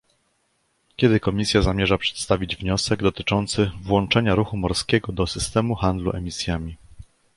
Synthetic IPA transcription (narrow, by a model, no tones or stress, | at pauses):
kʲɛd̪ɘkɔmʲisʲjazamʲjɛʐapʂɛ̥t̪st̪avʲid͡ʑvɲɔsɛɡd̪ɔt̪ɘt͡ʂɔnt̪sɘvwɔnt͡ʂɛɲaɾuxumɔɾskʲɛɡɔd̪ɔsɘst̪ɛmuxand̪lṵʔɛ̰mʲisʲjamʲi